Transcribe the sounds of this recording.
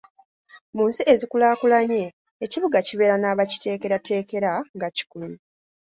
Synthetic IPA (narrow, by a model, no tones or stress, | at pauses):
muːnsiezikulaːkulaɲeː | ciβuɡaciβe̞ɾanaːβaci̥te̞ːke̞ɾate̞ːke̞ɾaŋɡaci̥kuli